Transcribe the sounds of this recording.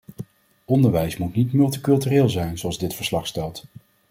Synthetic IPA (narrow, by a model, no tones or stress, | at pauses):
ʔɔndəɹʋɛjsmutnitmɵlˠtikɵlˠtyreːlˠzɛjnzoɑlˠzdɪtfəɹslɑχstɛlˠt